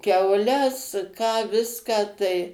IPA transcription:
kʲɛʊˈlʲɛs kɑː ˈʋʲɪskɑː tɐɪ

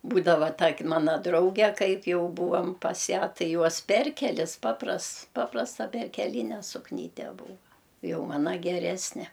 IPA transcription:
ˈbuːdɐʋɐ ˈtɐkʲ ˈmɑːnɐ ˈdrɐʊɡʲɛ ˈkɐɪp ˈjɛʊ ˈbuːʋɐm ˈpɐs ˈjæː ˈtɐɪ ˈjuɔs ˈpʲɛrʲkʲɛlʲɪs ˈpɑːprɐsts ˈpɑːprɐstɐ pʲɛrʲkʲɛˈlʲiːnʲɛ sʊkˈnʲiːtʲɛ ˈbuːʋɐ ˈjɛʊ ˈmɑːnɐ ɡʲɛˈrʲæːsʲnʲɛ

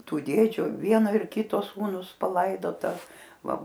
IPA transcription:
ˈtuː ˈdʲeːd͡ʒʲʊ ˈʋʲiɛnoː ɪr ˈkʲɪtoː ˈsuːnʊs pɐˈlˠɐɪdoːtɐ ˈʋɐ

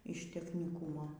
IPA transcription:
ɪʃ tʲɛxʲnʲɪˈkuːmoː

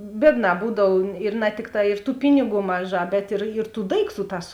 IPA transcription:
ˈbʲiɛdˌnɑː ˈbuːdɐw ɪr nɐ ˈtʲɪkˌtɑː ɪr tuː ˈpʲɪnʲɪˌɡuː ˈmɑːˌʒɑː bʲɛt ɪr ɪr tuː ˈdɐɪkˌtuː ˈtɑːs

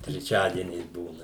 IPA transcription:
tʲrʲɛˈt͡ʃʲæːdʲiɛnʲɛɪs ˈbuːnɐ

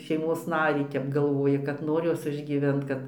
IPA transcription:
ʃʲɛɪˈmoːs ˈnɑːrʲiː ˈtʲɛp ɡɐlˠˈʋoːjɪ kɐt ˈnoːr ˈjoːs ɪʒʲɡʲiːˈʋʲɛnt ˈkɐt

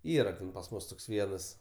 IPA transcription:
ˈiːrɐ tʲɛn pɐs ˈmʊs toːks ˈʋʲiɛnɐs

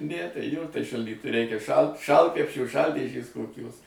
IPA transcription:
ˈnʲɛ tɐɪ ˈjoː tɐɪ ʃɐlʲˈdʲiːt ˈrʲɛɪkʲɛ ʃɐlˠ ˈʃɐlˠtkrʲɛpʲʃʲoː ˈʃɐlʲdʲeːʒʲeːs koːˈkʲoːs

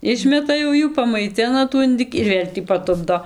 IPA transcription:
ˈɪʃʲmʲɛtɐ jɛʊ ˈjuː pɐmɐɪˈtʲɪnɐ tuː ɪnˈdɨkʲɪ ɪr ˈʋʲeːlʲ tʲiː pɐˈtʊbdoː

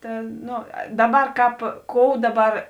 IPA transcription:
ˈtɐ ˈnoː ˈdɑːˌbɐr ˈkɑːp ˈkoːʊ ˈdɑːˌbɐr

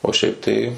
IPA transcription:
oː ˈʃʲɛɪp tɐɪ

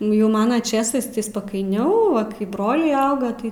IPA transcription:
nʊ ˈjɛʊ ˈmɑːnɐ ˈt͡ʃʲeːsɐɪs tɐɪ spɐkɐɪˈnʲɛʊ ˈʋɐ kɐɪ ˈbroːlʲɛɪ ˈɐʊɡɐ ˈtɐɪ

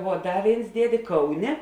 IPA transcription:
ʋuɔ ˈdɐ ˈʋʲeːɪns ˈdʲiɛdʲeː ˈkɐʊˌnʲeː

